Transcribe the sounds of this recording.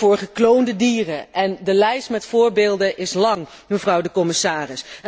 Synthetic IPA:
ʊːɹχəklowndədiːrəʔɛndəlɛjstmɛtfʊːɹbɪːlˠdənʔɪslɑŋ | məvrɑwdəkɔmɪsaːrɪs

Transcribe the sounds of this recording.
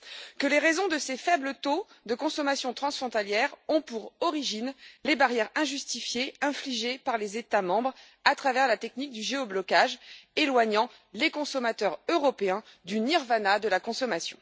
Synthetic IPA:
kəleʁezɔ̃d̪əsefɛblət̪o | d̪əkɔ̃sɔmasjɔ̃t̪χɑ̃sfχɔ̃t̪aljɛʁɔ̃puʁɔʁiʒinlebaʁjɛʁɛ̃ʒyst̪ifjeɛ̃fliʒepaʁlezet̪amɑ̃bʁ | at̪χavɛʁlat̪ɛknik̚d̪yʒeɔblɔkaʒelwaɲɑ̃ | lekɔ̃sɔmat̪œʁøʁɔpeɛ̃d̪yniʁvanad̪əlakɔ̃sɔmasjɔ̰̃

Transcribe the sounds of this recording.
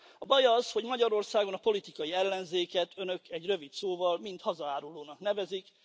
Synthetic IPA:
ɒbɒjɒzho̞ɟmɒɟɒɾo̞rsaːɡo̞nɒpo̞lit̪ikɒjiɛlːɛnzeːkɛt̪ʰø̞nø̞kʰɛɟrø̞vit̪soːvɒlmint̪hɒzɒaːɾuloːnɒknɛvɛzik

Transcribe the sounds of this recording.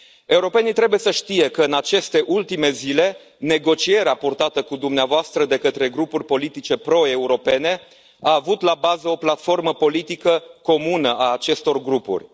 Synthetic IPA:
e̞uɾo̞pe̞nit̪ɾe̞bujesəʃt̪ije̞kəɨnat͡ʃe̞st̪e̞ʔult̪ime̞zile̞ | ne̞ɡo̞t͡ʃie̞ɾeapurt̪at̪əkud̪umneavoast̪ɾəd̪e̞kət̪ɾe̞ɡɾupurʲpo̞lit̪it͡ʃe̞pɾo̞e̞uɾo̞pe̞ne̞ | aːvut̪labazəo̞plat̪fo̞rməpo̞lit̪ikəko̞munəʔaːt͡ʃe̞st̪o̞rɡɾupṵrʲ

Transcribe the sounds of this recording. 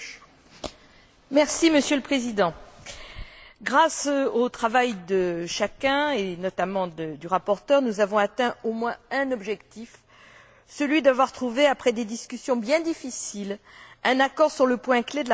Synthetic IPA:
mɛʁsiməsjøləpχezid̪ɑ̃ | ɡʁasot̪χavajd̪əʃakɛ̃enɔt̪amɑ̃d̪əd̪yʁapɔʁt̪œʁnuzavɔ̃at̪ɛ̃omwɛ̃ɛ̃nɔbʒɛkt̪if | səlɥid̪avwaʁt̪χuveapχɛd̪ed̪iskʲysjɔ̃bjɛ̃d̪ifisilɛ̃nakɔʁsyʁləpwɛ̃kled̪əl

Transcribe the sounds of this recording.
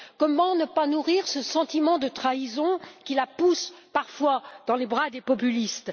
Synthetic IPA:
kɔmɑ̃nəpanuʁiʁsəsɑ̃t̪imɑ̃d̪ət̪χaizɔ̃kʲilapuspaʁfwad̪̥ɑ̃lebʁad̪epɔpylist̪

